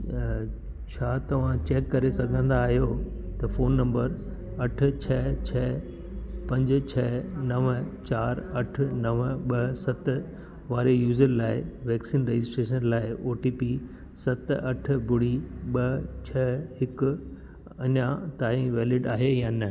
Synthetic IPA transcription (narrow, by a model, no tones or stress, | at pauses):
t͡ɕʰaːt̪ɐʋ̤ãt͡ɕeːkːɐɾesɐɡʱə̃nd̪aːɦijo | t̪ɐfoːnːɐ̃mbəɾ | ɐʈ̆ʰt͡ɕʰɛt͡ɕʰɛː | pɐ̃ɲd͡ʑ̆t͡ɕʰɛnɐʋt͡ɕaːɾɐʈʰnɐʋɓɐsɐt̪ | ʋaːɾejuːzəɾlaːɪʋɛːksiːnɾed͡ʑɪsʈɾeːʃənlaːɪʔoːʈiːpi | sɐt̪ɐʈ̆ʰbʱʊɽiɓɐt͡ɕʰɐːɦɪkʊ | ɐɲat̪aːɦĩʋeːlɪɖaːɦejaːnɐ